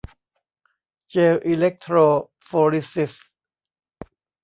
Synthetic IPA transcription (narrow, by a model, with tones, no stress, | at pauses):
t͡ɕeː˧wʔi˧le˦˥k̚t̪ʰɾoː˧ | fɔː˧ɾi˦si˧˩s